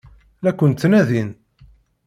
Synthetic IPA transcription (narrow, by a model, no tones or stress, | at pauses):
lækʷːənt̪ːnæðin